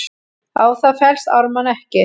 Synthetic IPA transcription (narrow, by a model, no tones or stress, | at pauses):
aːwθaðfɛl̥st̪a̰ɾmanɛhcɪ